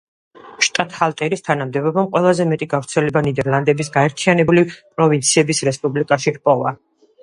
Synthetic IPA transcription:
ʃt̪ʼat̪halˠt̪ʼɛɾist̪ʰanamd̪ɛbɔbamqʼwɛlˠazɛmɛt̪ʼiɡavɾt̪sʰɛlɛbanid̪ɛɾlˠand̪ɛbisɡaɛɾt̪ʰianɛbulipʼɾɔvint̪sʰiɛbisɾɛspʼublikʼaʃiɾpʼɔva

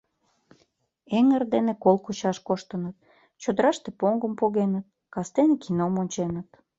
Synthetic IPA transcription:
eŋərd̪enekolkut͡ɕɑʃkoʃt̪ənət̪̚ | t͡ɕod̪əɾɑʃt̪epoŋɡəmpoɣenət̪̚ | kɑst̪enekinomonʲt͡ɕenət̪

